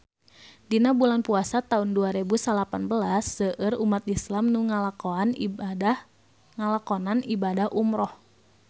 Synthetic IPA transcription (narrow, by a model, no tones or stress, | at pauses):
dinabulanpuasat̪aunduaɾɛbusalapanbəlasːəʔərumat̪islamnuŋalaɔan | ŋalakɔnanibadahʔumɾɔh